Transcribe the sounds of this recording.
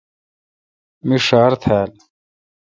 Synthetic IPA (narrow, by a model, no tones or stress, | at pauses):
miʂaːɾt̪ʰæːl